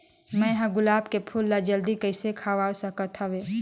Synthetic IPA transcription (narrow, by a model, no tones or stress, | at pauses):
mɛ̃ɦɐ̃ɡʊlaːbkepʰʊlːad͡ʒɐld̪ikɐɪsekʰaːʋaːosɐkɐt̪ʰɐʋeː